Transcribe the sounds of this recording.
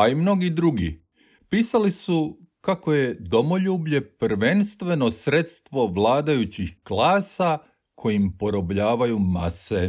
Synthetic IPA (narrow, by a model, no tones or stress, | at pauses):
aimnoɡid̪ɾuɡḭ | piːsalisu | kako̞je̞d̪o̞mo̞ʎuːbʎe̞pɾʋe̞nst̪ʋe̞no̞sɾet̪st̪ʋo̞ʋlaːd̪ajut͡ɕixklaːsa | kʰo̞jimpo̞ɾo̞bʎaːʋajuma̰se